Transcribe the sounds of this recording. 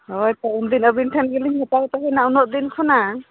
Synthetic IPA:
ɔjtɔumd̪inabintʰanɡiliŋhɔtat̪ahɛnaunɔt̚d̪inkʰɔna

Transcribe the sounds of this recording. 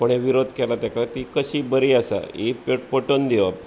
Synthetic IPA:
pəɳeʋiɾod̪ʱkɛlat̪jakat̪ikəɕiːbəɾiːasa̰ippəʈond̪iʋa

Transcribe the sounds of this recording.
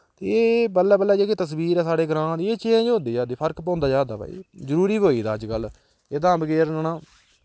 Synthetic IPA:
t̪eːeːbəlːɛːbəlːɛːd͡ʒeːkeːt̪əsbiːɾɛːsaːɽeːɡɾãːd̪iːeːt͡ʃẽːd͡ʒɦõːnd̪iːd͡ʒaːd̪eːpʰəɾkpãːnd̪aːd͡ʒaːd̪a̰ːpa̰ːḭːzəɾuːɾiːboːiːd̪a̰ːəd͡ʒɡəl | eːd̪ãːbəɡeːɾnənãː

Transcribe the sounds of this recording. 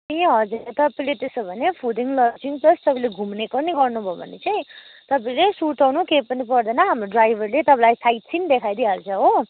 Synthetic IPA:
iɦʌd͡ziɾʌt̪ʌplet̪esobʱʌnepʰudiŋlʌd͡ziŋpʌst̪ʌpãleɡʱumnekʌrniɡʌrnubʱʌbʱʌ̰net͡sʌĩ | t̪ʌpaĩlesuʈawnukejpʌnipʌrd̪ʌnʌɦamroɖrajbʱʌrlet̪ʌpãlajsajt̪̚t͡sʰind̪ekʰajd̪iɦalt͡sʰʌɦo

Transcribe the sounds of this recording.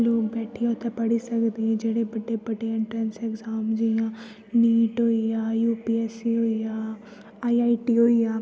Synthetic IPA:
loːɡ̚bɛːʈʰijaːt̪ʰepɐɽisəkd̪eɦɛ̃ːd͡ʒeːɽebɐɖebəɖeɪ̃ɳʈɾənsɛɡzaːmd͡ʒijãː | niːʈɦoːijaːjuːpiɛːsiɦoːijaː | aːiaːiʈiːɦoːijãː

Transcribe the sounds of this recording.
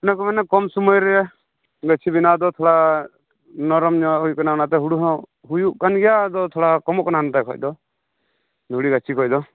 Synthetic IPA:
nakɔmanɛkɔmsumɔjɾɛ | ɡat͡ʃʰibinad̪ɔt̪ʰɔɽa | nɔɾɔmɲɔɦujukanaɔnat̪ɛɦuɽuɦɔ̃ | ɦujuʔkanɡɛjad̪ɔt̪ʰɔɽakɔmɔʔkɔnant̪ajkʰɔ̰jd̪ɔ | d̪ʱuɽiɡat͡ʃʰikʰɔjd̪ɔ

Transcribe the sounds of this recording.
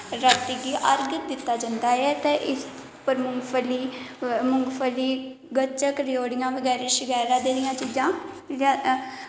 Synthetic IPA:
ɾat̪iɡiːʔəɾɡɪt̪̚d̪ɪt̪ːaːd͡ʒãnd̪aːɛːt̪eʔɪs | pəɾmʊŋɡpʰəliːmʊŋɡpʰəliː | ɡət͡ʃəkɾɪjoːɽɪjãːʋəɡɛːɾeːʃəɡɛːɾãːd̪eːɾɪjãːt͡ʃiːd͡ʒãː | a

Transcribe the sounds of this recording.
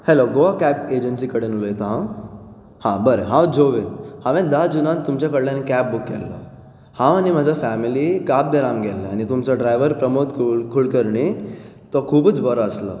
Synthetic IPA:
heloɡoakæped͡ʑənsikəɽenulojet̪ɦã | hãbəɾeɦãwd͡zoʋehãʋɛ̃d̪ad͡zunãt̪ːumt͡ɕjakəɽlanekæp̚bukːɛ̰lːa̰ | hãʋanim̤ad͡ʑʱafæmilikab̚d̪eɾãŋɡɛlːaañit̪umt͡saɖɾajʋəɾpɾəmot̪kʰkʰulkəɾɳi | t̪ɔkʰuːbət͡sbəɾaːsla̰

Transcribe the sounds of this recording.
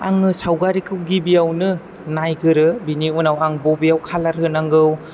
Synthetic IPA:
a̰ŋɯsawɡaɾikʰɯwɡibijawnɯ | najɡɯɾɯbiniunawaŋbobijawkʰalaɾhɯnaŋɡɯw

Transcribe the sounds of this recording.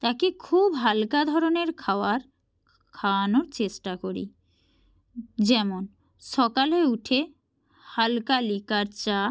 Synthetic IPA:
t̪akekʰubɦalkad̪ʱɔɾoneɾkʰaoaɾ | kʰanoɾt͡ɕeʃʈakoɾḭ | d͡ʑɛmon | ʃɔkaleuʈʰe | halkalikaɾt͡ɕa

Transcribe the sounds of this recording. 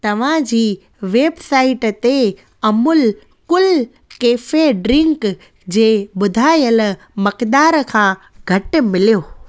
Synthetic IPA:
t̪ɐʋ̤ãd͡ʑiː | ʋeːbsaːɪʈt̪e | ɐmʊl | kʊl | keːfeɖɾɪ̃ŋk | d͡ʑeːbʊd̪ʱaːjəl | mɐkd̪aːɾkʰãː | ɡʱɐʈmɪlijoː

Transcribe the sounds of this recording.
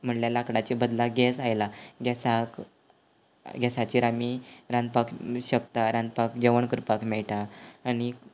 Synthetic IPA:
m̤əɳljalakɽat͡ɕibəd̪laɡɛsajlaɡɛsak | ɡɛsat͡ɕiːɾamiɾãnd̪pakɕək̚t̪aɾand̪̚pakd͡ʑəʋəɳkɾpakmɛɭʈaːñi

